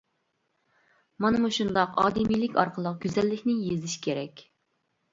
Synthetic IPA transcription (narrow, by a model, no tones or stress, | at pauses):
mɑnɨmuʃund̪ɑqɑ̰ːd̪ɨmilɪkʲʰɑ̰ɾqʰəlˠəq̚ɡʲyzɛlːɪkʲnɪjezɪʃkʲʰeɾɛkʲ